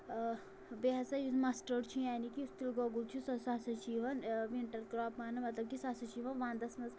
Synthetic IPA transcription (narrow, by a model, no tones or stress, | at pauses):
beɦɐsajumasʈəɾt͡ʃʰũjaːnikiust̪ilɡɔɡult͡ʃʰũsɐsasɐt͡ʃiːʋɐnʋiɳʈɐɾkɾaːpmaːnɐmɐt̪lɐb̚kisasɐt͡ʃiːʋɐnʋãːnd̪ɐsmɐz